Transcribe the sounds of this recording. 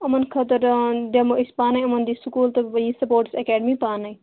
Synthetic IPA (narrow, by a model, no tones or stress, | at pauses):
ɐmɐnkʰɐt̪ɐɾd̪emoispaːnɐjɐmɐnd̪isukuːlt̪ɐbɐjĩsɐpoːɾʈsekɛːɖəmipaːnɐj